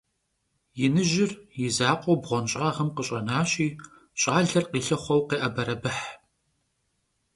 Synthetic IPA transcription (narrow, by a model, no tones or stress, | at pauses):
jɪnɨʒɪrjɪzaːqʷɔwbʁʷɔnɕʼaːʁɐmqəɕʼɐnaːɕʼiː | ɕʼaːɮɐrqiːɬɐχʷɔwqeːʔɐbɐɾɐbɨħ